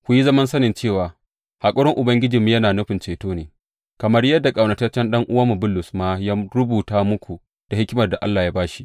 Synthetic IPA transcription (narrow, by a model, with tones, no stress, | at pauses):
kʷʊ˦ji˦zɐ˦mɐ˦nsɐ˦nɪ˨nt͡ʃeː˦˨waː˨ | ha˨kʷʼʊ˦ɽɪ˦ŋʔʊ˨bɐ˦ŋɡʲɪ˦d͡ʒiː˨mːi˦jɐ˦naː˨nʊ˦ɸɪ˨nt͡ʃeː˨toː˦neː˨ | kɐ˨mɐ˦rjɐ˦dːa˨kʼa˨wnɐ˨tɐ˦t͡ʃɛ˦nɗɐ˦ŋʔʊ˦waː˦mu˨bʊ˦lːʊ˨smaː˦jaː˦ɾʊ˦buː˨taː˦mʊ˦kʷu˨ | d̥a˨hɪ˦kʲɪ˦mɐ˨rda˨ʔa˦lːaː˨jaː˦baː˦ʃi˦ʔ